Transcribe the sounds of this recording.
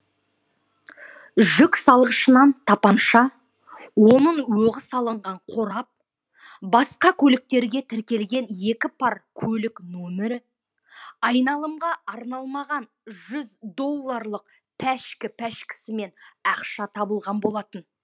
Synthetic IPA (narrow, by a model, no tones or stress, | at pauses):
ʒʏksɑlˠʁəʃənɑnt̪ʰɑpɑnʃɑ | wo̞nəɴwɵʁəsɑlˠəɴʁɑɴqʰo̞ɾɑp̚ | bɑsqɑkʲʰɵlɪk̚t̪e̞ɾɡʲe̞t̪ʰɪɾkʲe̞lɡʲe̞nje̞kʲɪpʰɑɾkʲʰɵlɪknomeɾɪ | ɑjnɑlˠəmʁɑɑɾnɑlˠmɑʁɑn | ʒʏzd̪o̞lˠːɑɾlˠəq̚ | pʰæʃkʲɪpʰæʃkʲɪ̥sɪme̞nɑqʃɑt̪ʰɑbəlˠʁɑnbo̞lˠɑt̪ən